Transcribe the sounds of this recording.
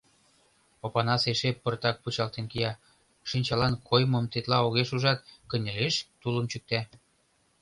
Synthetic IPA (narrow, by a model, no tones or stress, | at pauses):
opɑnɑseʃepərt̪ɑk̚put͡ɕɑlt̪enkijɑ | ʃinʲt͡ɕɑlɑnkʰojmɤ̆mt̪et̪lɑoɣeʃuʒɑt̪̚kə̆nʲeleʃt̪uləmt͡ɕyk̚t̪æ